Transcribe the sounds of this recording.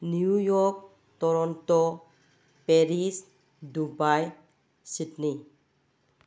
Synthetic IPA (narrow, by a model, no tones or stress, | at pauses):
njujɔɾk̚ | tɔɾɔntɔ | peɾis | dubaj | sitni